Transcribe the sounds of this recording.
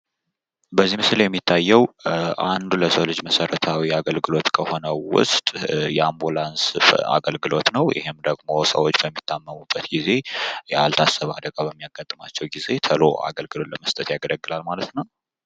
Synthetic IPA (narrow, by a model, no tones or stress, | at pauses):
bəzːihmɨsljɛmːit̪ʰːajːɛwʔand̪uləsəwlɨd͡ʒməsəɾət̪ʰawiaɡəlɡɨlo̞t̪kʰəho̞nəwʊ̰st̪ʼjɛambulansfa̰ɡəlɡɨlo̞t̪nəwjɪ̰hɪmd̪əɡmo̞sə̰wot͡ʃːbəmːit̪ʰːamːəmubːət̪ɡize̞a̰lt̪ʰasːəβad̪əɡabəmːijaɡat̪ʼːma̰t͡ʃːɛwɡize̞t̪ʰəlo̞̰a̰ɡəlɡɨlo̞t̪ləməst̪ʼət̪jaɡələɡːɨlalmalət̪nəw